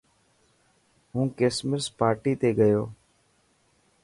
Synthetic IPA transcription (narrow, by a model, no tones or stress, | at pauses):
ɦũːkeːsməɾspaːɾʈiːt̪eːɠəjoː